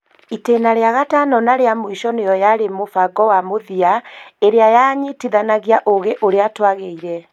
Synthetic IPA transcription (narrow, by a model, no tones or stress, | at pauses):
iteːnaɾeaɣatanɔnaɾeamoiʃɔnejɔjaɾemofaɡɔwamoðiaeɾeajaɲitiðanaɣiaʔoɣeʔoɾeatwaɣeiɾɛ